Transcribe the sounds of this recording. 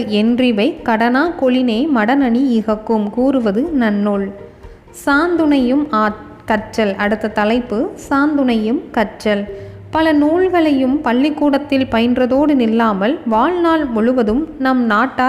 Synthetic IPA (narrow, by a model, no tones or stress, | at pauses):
ɛndrɪʋɐɪkːɐɽɐnaːkɔɭɪneːmɐɽɐnɐɳiɪɣɐkːɯmkuːrɯʋɐðɯnɐnːoːɭ | saːnd̪ɯnɐjɯmaː | kɐʈt͡ʃːɐlɐɽɯt̪ːɐt̪ɐlɐɪpːɯsaːnd̪ɯnɐjɯmkɐʈt͡ʃɐl | pɐlɐnuːɭɣɐɭɐjɯmpɐɭːɪkːuːɽɐt̪ːɪlpɐjɐndrɐðoːɽɯnɪlːaːmɐlʋaːɭnaːlmʊɻɯʋɐðɯmnɐmnaːʈːaː